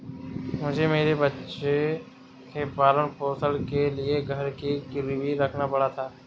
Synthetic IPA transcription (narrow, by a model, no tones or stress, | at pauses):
mʊd͡ʒʱemeːɾebɐtːʃẽ | kepaːɾənpoːsəlkelieɡʱɐɾkikʊɾibʱiɾɐkʰnapɐɽat̪ʰaː